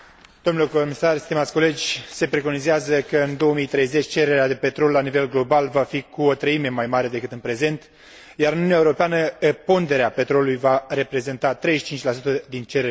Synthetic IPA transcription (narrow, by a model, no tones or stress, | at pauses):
d̪̥o̞mnulekomisarʲst̪imat̪sʲko̞le̞d͡ʒʲse̞pɾe̞ko̞nizeazəkəɨnd̪o̞wəmijt̪ɾe̞jze̞t͡ʃʲt͡ʃeɾe̞ɾead̪e̞pe̞t̪ɾo̞lːanive̞lɡlo̞balvafikuot̪ɾəime̞majmaɾe̞d̪e̞kɨt̪ɨnpɾe̞ze̞nt̪ | jaɾɨnunjaeuɾo̞peanəepo̞nd̪e̞ɾeape̞t̪ɾo̞luujvare̞pɾe̞ze̞nt̪at̪ɾejʃi̥t͡ʃint͡ʃʲlasut̪əd̪int͡ʃe̞ɾe